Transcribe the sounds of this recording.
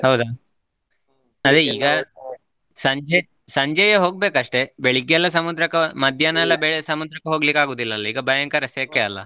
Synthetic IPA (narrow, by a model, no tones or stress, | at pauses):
hɐwd̪ɐ | ɐd̪eiːɡɐ | sɐɲd͡ʒɐ | sɐɲd͡ʒɐjɐɦo̞ːɡ̚be̞ːkɐʂʈe̞beɭikjɛlːɐs̬ɐmud̪ɾɐkːɐmɐd̪ʱjanɐɛlːɐbeɭsɐmud̪ɾɐkːeɦoːɡlikaːɡoːd̪ilːɐːlːɐiːɡɐbɐjaŋkaɾɐsjɐkːeɐlːɐ̰